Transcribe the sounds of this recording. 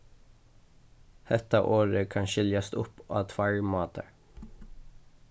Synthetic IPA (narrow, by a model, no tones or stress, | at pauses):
hɛt̪ɑʔoːɹəkʰɑnʃɪljɑst̪ʊpɑ̰ːt̪ʰfɑɹmɑːt̪ʰəɾ